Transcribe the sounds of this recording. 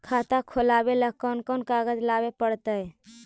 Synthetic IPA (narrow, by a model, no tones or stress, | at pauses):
kʰat̪akʰolabeləkɔnkɔnkaɡəd͡ʒlabepəɽt̪əj